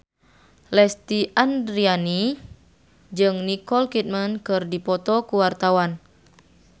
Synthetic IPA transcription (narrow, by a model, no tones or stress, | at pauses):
lɛst̪iʔandɾiani | d͡ʒɨŋnikɔlkit̪̚mənkɨrdipɔt̪ɔkuwart̪awan